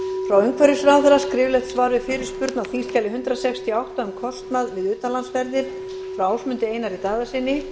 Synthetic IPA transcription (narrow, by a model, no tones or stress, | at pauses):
fɾawʏŋkʰvœɾjʏsɾaːwθɛɾaskɾɪːvlɛjht̪svaːɾʏfɪɾɪɾ̥spʏɾt̪nawθinst̪calɪɦʏnt̪ɾasɛkst̪ʰiawht̪aʏmkʰɔst̪naðvɪðʏːt̪anlansvɛɾðɪɾ̥ | fɾawaːwsmʏnt̪ɪeːjnaɾit̪aːðasɪnːɪ